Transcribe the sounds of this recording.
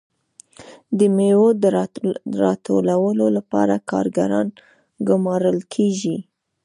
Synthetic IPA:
d̪əmewod̪əɾɑt̪ʰolawəlolapɑ̰ɾakɑ̰ɾɡa̰ɾɑn | ɡʊmɑɾəlkʰeʒi

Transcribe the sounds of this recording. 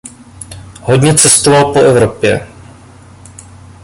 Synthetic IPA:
ɦoɟɲɛt͡sɛst̪ovalpoʔɛvɾo̞pjɛ̰

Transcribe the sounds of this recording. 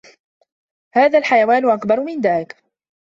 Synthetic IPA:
haːðaːlħajawaːnʊʔakbɑɾˤmɪnd̪aːlɪk

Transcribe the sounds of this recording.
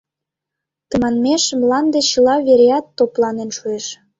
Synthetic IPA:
t̪əmɑnmeʃmlɑnd̪et͡ɕəlɑβeɾeɑt̪ːoplɑnenʃueʃ

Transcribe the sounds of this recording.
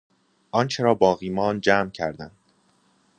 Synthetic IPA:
ʔɒːnt͡ʃʰeɾɒːbɒːɣiːmɒːnd͡ʒæːmcʰæɾd̪ænd̪̥

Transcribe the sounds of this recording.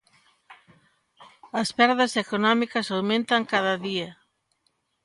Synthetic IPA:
ɐspɛɾðɐsekonɔmikɐsawmẽnt̪ɐŋkaðɐðiɐ

